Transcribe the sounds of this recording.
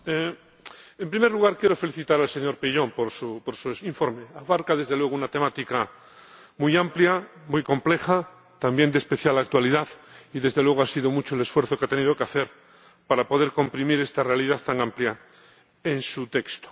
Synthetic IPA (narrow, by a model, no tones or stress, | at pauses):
e | empɾimeɾluɣaɾkjeɾo̞fe̞liθit̪aɾalseɲo̞ɾpiʎo̞mpoɾsupoɾsuiɱfo̞ɾmeaβaɾkaðe̞zðe̞lwe̞ɣ̞unat̪e̞mat̪ika | mujampljamujko̞mple̞xa | t̪ambje̞nd̪espe̞θjalak̚t̪waliðaðiðe̞zðe̞lweɣoasiðomut͡ʃoele̞sfwe̞ɾθokeat̪e̞nið̞o̞keaθeɾ | paɾapo̞ð̞eɾko̞mpɾimiɾest̪are̞alið̞aðt̪aŋamplja | ensut̪e̞kst̪o̥